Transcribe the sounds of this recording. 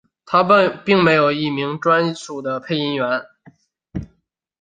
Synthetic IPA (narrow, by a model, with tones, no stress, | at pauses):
t̪ʰa˥pi˥˩ŋme˧˥ɪjo˨˩ʊi˥˩mi˧˥ŋʈ͡ʂwa˥nt͡sʰu˨˩d̪ə˦pʰe˥˩ɪi˥nɥɛ˧˥n